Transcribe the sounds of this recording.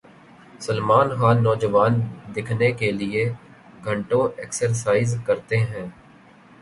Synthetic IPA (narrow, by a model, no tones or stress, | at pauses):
səlmaːnxaːnːɔːd͡ʒəʋaːnd̪ɪkʰnekelɪe | ɡʱɐ̃ɳʈõeːksəɾsaːɪzkɐɾt̪eɦɛ̃ː